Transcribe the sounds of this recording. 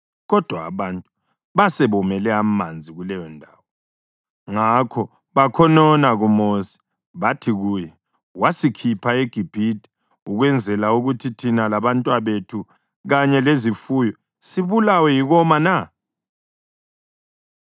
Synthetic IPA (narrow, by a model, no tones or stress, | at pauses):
ɣɔd̥ʱwa̰ːβantʼu | βasɛβɔmɛlɛamand͡zʱiɣulɛjɔndʱaːwɔ | ŋakʰɔ | βakʰɔnɔnaɣumosi̥ | βatʰiɣuːjɛ | wasikʰipʰaeɡ̥ʱib̥ʱitʼɛ̥ | uɣwɛnd͡zʱɛlauɣutʰitʰinalaβantʼwaβetʰu | ɣaɲɛlezifujɔ | siβulawɛjiɣɔmana